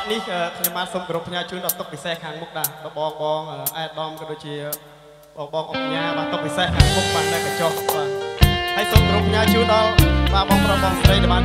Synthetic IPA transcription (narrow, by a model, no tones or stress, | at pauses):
nihʔəːkʰɲomɓaːnsoːmkoɾupʰːɲaːət͡ɕuːnɗɑlt̪ʊk̚pisehkʰaːŋmuk̚ɗaɛɓaːɓɑːŋɓɑːŋʔəːʔaɛɗɑmkɔɗoːc̚t͡ɕiə | ɓɑːŋʔɑŋkiɲaːɓaːnt̪uk̚pisehkʰaːŋmuk̚ɓant̪aɛkat͡ɕɑhɓaːhəjsoːmkoɾupʰːɲaət͡ɕuːnɗɑlɓaːɓɑːŋproːɓɑːŋsaɾəjɗɛjɓaːn